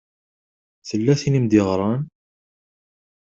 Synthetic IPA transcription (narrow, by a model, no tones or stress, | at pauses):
θəlːæθinimd̪ɪʁɾˤɑn